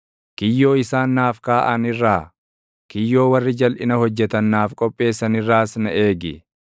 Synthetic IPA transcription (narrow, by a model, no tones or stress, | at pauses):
kɪjːo̞ːɪsaːnːaːfkaːʔɐnɪrːaː | kɪjːo̞ːwɐrːɪd͡ʒɐlʔɪnɐhɔd͡ʒːɛt̪ɐnːaːfkʼɔpʼːe̞ːsːɐnɪrːaːsnɐʔeːɡɪ